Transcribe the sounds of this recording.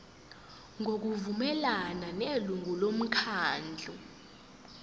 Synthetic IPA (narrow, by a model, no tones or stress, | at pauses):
ŋok̬uvumɛlananeluŋulom̩kʰaːnd͡ɮʱu